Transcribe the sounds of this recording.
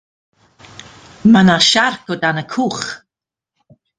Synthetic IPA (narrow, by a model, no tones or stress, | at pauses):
manaʃarkɔdanəkʰuːχ